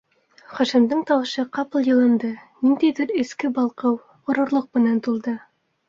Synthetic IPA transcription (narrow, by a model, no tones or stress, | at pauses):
χɑʃɘ̆md̪ɤɴt̪ɑwɤ̆ʃɤqɑpɤlˠjɤ̆lˠɤ̆nd̪ɤnind̪æjdɘɾɘ̆skɘbɑlˠqɤw | ŏɾŏɾlˠoq̚mɘ̆nænt̪ulˠd̪ɤ